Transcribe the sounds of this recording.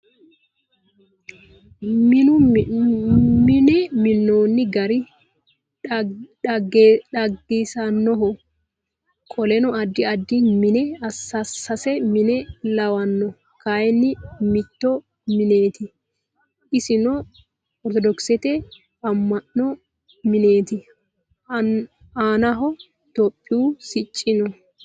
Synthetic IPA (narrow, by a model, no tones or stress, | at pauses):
mnʊ | mɪnɛmɪnːoːnːɪɡɐɾɪ | ᶑɐɡːiːsɐnːɔɦɔ | kʼɔlɛnɔɐd̪ːɪɐd̪ːɪmɪnɛɐsːɐsːɐsɛmɪnɛlɐwɐnːɔ | kaːjɛnːɪmɪt̪ːɔ | mɪne̞ːt̪ɪ | ɪsɪnɔ | ɔɾt̪ɔd̪ɔksɛt̪ɛ | ɐmːɐnːɔ | mɪne̞ːt̪ɪ | aːnɐɦɔ | t̪ɔpʼːɪʊsɪt͡ʃʼːɪnɔ